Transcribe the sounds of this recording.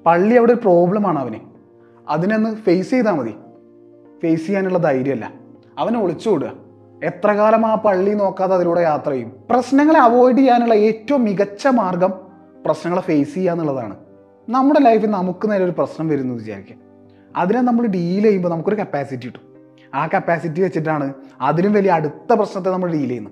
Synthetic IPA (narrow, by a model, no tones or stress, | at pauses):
pɐɭːiɐʋiɽeoɾupro̞ːblɐmaːɳɐʋɐnɨ | ɐ̰ðine̞nːɨfejsejt̪aːmɐðḭ | fejsijaːnuɭːɐd̪ɐjɾjɐmɐlːɐ̰ | ɐʋɐneoɭit͡ɕːuoɽuɣɐ̰ | e̞t̪rɐɣaːlɐmaːpɐɭːino̞ːkːaːðeɐðiluːɽe̞jaːt̪rɐɐjumprɐɕnɐŋːɐɭeɐʋo̞ːjɖijːaːnuɭːɐe̞ːtːɐʋɐmːiɣɐt͡ɕːɐmaːrɡɐm | prɐɕnɐŋːɐɭfejsijːaːnːuɭːɐða̰ːɳɨ̰ | nɐmːuɽe̞lɐjfinɐmukːɨneːleo̞ɾuprɐɕnɐmʋɐɾunːuʋit͡ɕa̰ːɾikʲːu | ɐ̰ðinaːnɐmːɐɭɨɖijilɐjumbonɐmukːo̞ɾukɐpːaːsitːijiʈːu̥ | aːkɐpːaːsit̬ːiʋet͡ɕːiʈːaːɳɨɐðinumʋɐliɐɐɽut̪ːɐprɐɕnɐt̪̬ːe̞nɐmːɐɭɖiːilɐjunːu